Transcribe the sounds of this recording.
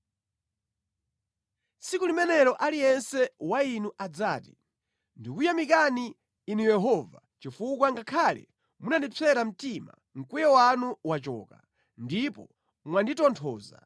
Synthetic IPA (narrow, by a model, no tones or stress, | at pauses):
sikulimɛnɛɾɔʔalijɛnsɛwainuʔad͡zaːtḭ | ndikujamik̬aniː | nujɛɦɔva | t͡ʃifukwaŋɡakʰalɛ̰ | munandit͡sʰɛɾam̩tima̰ | ŋ̩kujɛwanuwat͡ʃɔ̰ːka̰ | ndipɔ | mwanditɔntʰɔːza̰